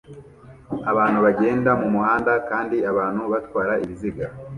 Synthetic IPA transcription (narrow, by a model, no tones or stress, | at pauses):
aβaːn̥huβaɡe̞ːndamumuhaːndakaːndiaβaːn̥huβatwaːɾaʔiβiziɡa